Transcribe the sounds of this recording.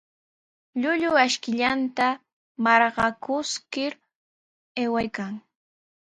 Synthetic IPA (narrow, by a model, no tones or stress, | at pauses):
ʎʊʎʊaʃkɪʎant̪a | mɑɾɢɑkʊskɪɾ | ewajkaŋ